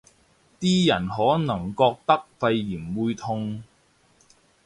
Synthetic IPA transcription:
t̪iː˥jɐ˨˩nɦɔː˨˥nɐ˨˩ŋkɔː˧k̚t̪ɐ˥k̚fɐ˧jːiː˨˩nwuː˨˧jt̪ʰʊ˧ŋ

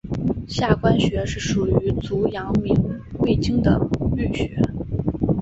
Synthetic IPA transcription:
ɕja˥˩kwa˥nɕɥɛ˧˥ʂɻ̩˥˩ʂu˨˩y˧˥t͡su˧˥jɑ˧˥ŋmi˨˩ŋwe˥˩ɪt͡ɕi˥ŋd̪ə̰˨˩ly˥˩ɕɥɛ˧˥

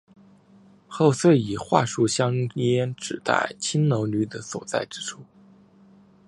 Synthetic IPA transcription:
xo˥˧ʊswe˥˩ɪi˨˩xwa̰˥˧ʂu˥˩ɕjɑ˥ŋ˥ɛ˥nʈ͡ʂɻ̩˨˩t̪a̰˥˩ɪt͡ɕʰi˥nno˧˥ʊny˧˥d̪ə˧swɔ̰˨˩t͡sa̰˥˩ɪʈ͡ʂɻ̩˥ʈ͡ʂʰu˥˩

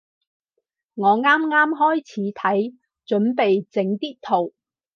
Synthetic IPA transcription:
ŋɔː˨˧ŋaː˥mŋaː˥mɦɔː˥jt͡sʰiː˨˥t̪ʰɐ˨˥j | t͡ʃɵ˨˥npe˨jt͡sɪ˨˥ŋt̪iː˥t̚t̪ʰo˨˩w

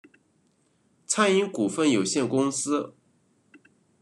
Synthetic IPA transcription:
t͡sʰa˥ni˧˥ŋku˨˩fə˥˩njo˨˩ʊɕjɛ˥˩nkʊ˥ŋsɹ̩˥

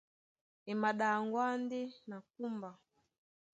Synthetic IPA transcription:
ɛ˨ma˨ɗa˨ŋɡwa˦ndɛ˦na˨k̚u˦mba˨

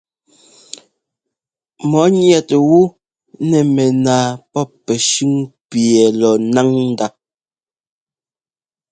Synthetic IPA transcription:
mɔ˨˦ɲjɛ˦twu˦ | nɛ˨mɛ˨naː˨pɔ˦ | ɛ˨ʃʉ˦ŋpjɛ˨lɔ˨na˦ŋn̩˦da˦˨p̚

